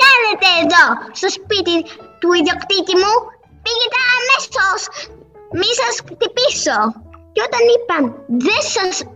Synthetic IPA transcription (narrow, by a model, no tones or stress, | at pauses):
kaðet̪eːðost̪ospit̪it̪uiðokt̪icimu | piɣit̪ɐːmesos | misɐst̪ipisocot̪ɐnipɐnðesɐs